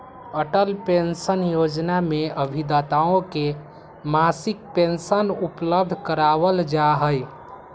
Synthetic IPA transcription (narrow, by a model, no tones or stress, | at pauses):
əʈəlpensənjod͡ʒnameəbʱid̪at̪aõke | masik̚pensənupləb̚d̪ʱkəɾaʋəld͡ʒaɦəj